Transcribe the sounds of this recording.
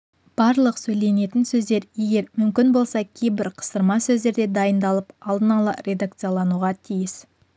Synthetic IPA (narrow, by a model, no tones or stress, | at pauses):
b̥ɑɾlˠəqsɵjle̞ne̞t̪ɪnsɵzd̪e̞ɾje̞ɡʲe̞ɾmʏmkʲɪnbo̞lˠsɑkʲʰe̞jbɪɾqʰə̥səɾmɑsɵzd̪e̞ɾd̪e̞d̪ɑjənd̪ɑlˠəpɑlˠd̪ənɑlˠə̰ɾʲʔe̞d̪ak̚t̪sɨjalˠɑnuʁɑt̪ʰijɪs